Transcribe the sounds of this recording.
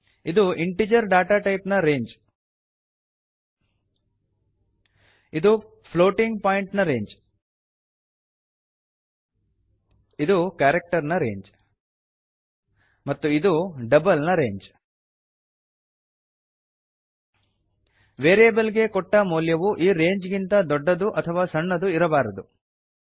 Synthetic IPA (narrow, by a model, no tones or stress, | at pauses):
id̪uiɳʈid͡ʒɐɾɖaːʈaːʈɐjpnɐɾe̞ːɲd͡ʒ | id̪u | pʰloːʈiŋɡpaːjiɳʈnɐɾe̞ːɲd͡ʒ | id̪ukaːɾɐk̚ʈɐɾnɐɾḛːɲd͡ʒ | mɐt̪ːuid̪uɖɐbɐlnɐɾe̞ːɲd͡ʒ | ʋeːɾijɐbɐlɡe̞kɔʈːɐmuːljɐʋuʔiːɾeːɲd͡ʒɡint̪ɐd̪ɔɖːɐd̪uʔɐt̪ʰɐʋaːsɐɳːɐd̪uiɾɐbaːɾɐd̪u